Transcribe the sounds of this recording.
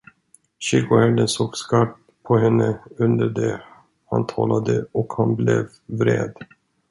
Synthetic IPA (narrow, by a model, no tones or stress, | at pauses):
ɕɪɡʊhɛɖ̪ənsoːɡskap̚ | pʰːɔhɛnːəɵnd̪əɖɛ | ha̰nt̪ʰɑːlad̪əɔkhanblɛv | vɾḛːd̪